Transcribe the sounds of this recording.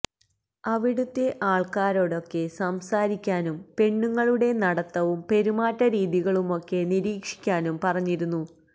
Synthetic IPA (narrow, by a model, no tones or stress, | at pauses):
ɐʋiɽut̪ːeʔaːɭkaːɾo̞ːɽo̞kːe̞sɐmsaːɾikʲːaːnumpe̞ɳːuŋːɐɭuɽe̞nɐɽɐt̪ːɐʋumpe̞ɾumaːtːɐɾiːðiɣɐɭumo̞kːe̞niɾiːkʂi̥kʲːaːnumpɐrɐɲːiɾunːu